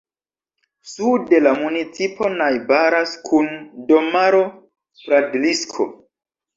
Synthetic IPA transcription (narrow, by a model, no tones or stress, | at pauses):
sude̞lamunit͡sipʰo̞najbaɾaskʰundomaɾo | fɾadliskʰo̰